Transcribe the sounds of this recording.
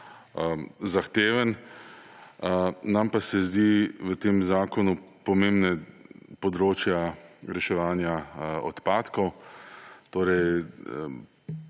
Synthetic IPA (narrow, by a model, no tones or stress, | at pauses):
zaxt̪eːʋən | nampasɛzd̪iʋət̪eːmzaːkɔnupɔmẽmbnɛpɔd̪ɾoːt͡ʃjaɾɛʃɛʋaːnjaɔt̪paːt̪kɔw | t̪oːɾɛj